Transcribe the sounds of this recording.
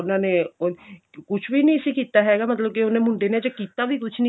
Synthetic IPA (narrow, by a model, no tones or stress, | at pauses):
ʊnone | kʊt͡ʃʰbʱinĩsikiːt̪aɦɛːɡamɐt̪ləb̚keʊnẽmʊ̃ɳɖened͡ʒokiːt̪abʱikʊt͡ʃʰnĩ